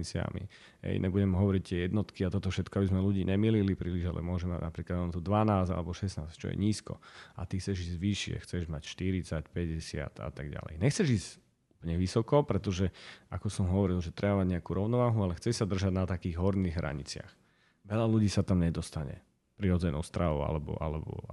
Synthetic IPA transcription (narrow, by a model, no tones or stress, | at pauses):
it͡sɪa̰mḭ | ɦɛ̰ɪjɲʔɛbuɟɛmɦɔʋɔɾic̚t̪ɪɛjɛd̪nɔt̪kiat̪ɔt̪ɔfʃɛt̪kɔabizmɛluɟiːɲɛmililipɾiːliʒa̰lɛ̰mʊɔʒɛma̰ɟnapɾiːklad̪ɔnt̪ud̪ʋanaːza̰lɛbɔʃɛsna̰ːst͡ʃɔ̰jɛ̰ɲiːskɔ̰at̪ixt͡sɛʒiːzʋiʃɪɛ̰xt͡sɛʒmacʃt̪iɾit͡sacpɛɟɛsɪa̰t̪a̰t̪aɡɟa̰lɛ̰jɲɛxt͡sɛʒiːz | upl̩ɲɛʋisɔkɔpɾɛt̪ɔʒɛakɔsɔmɦɔʋɔɾilʒɛt̪ɾɛbamaɟɲɛakuɾɔʊnɔʋaːɦualɛxt͡sɛsad̪r̩ʒaɟnat̪akiːɣɦɔɾniɣɦɾa̰ɲḭt͡sɪa̰x | ʋɛʎaluɟiːsat̪amɲɛd̪ɔst̪aɲɛ̰ | pɾiɾɔd͡zɛnɔ̰ʊst̪ɾaʋɔ̰ʊa̰lɛbɔ̰ʔa̰lɛ̰bɔ̰